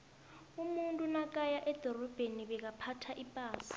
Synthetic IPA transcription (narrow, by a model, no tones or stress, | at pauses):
umuntʼunak̬ʼajaʔɛd̥ʱɔrɔb̥ʱeniβɛk̬apʰatʰaʔipʼaːsi̥